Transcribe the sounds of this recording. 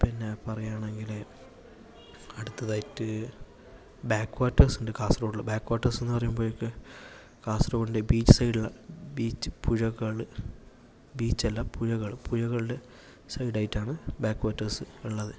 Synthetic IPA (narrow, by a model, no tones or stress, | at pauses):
pinːe̞pɐrɐjaːɳe̞ŋɡile | ɐɽut̪ːɐðaːjitːɨ | baːkːwaːtːɐrsundekaːsrɐːɭːɐbaːkːwaːtːɐrse̞nːɨpɐrɐjumboːjikːe | kaːsroːɽindebiːt͡ɕːɨ̥sɐjɽiɭːɐbiːt͡ɕːɨ̥pʰuɻɐɣɐɭɨ | biːt͡ɕːɐlːɐpuɻɐɣɐɭɨpʰuɻɐɣɐɭɨɖe̞ | sɐjɖaːjitːaːɳɨbaːkːʋaːtːɐrsɨiɭːɐðɨ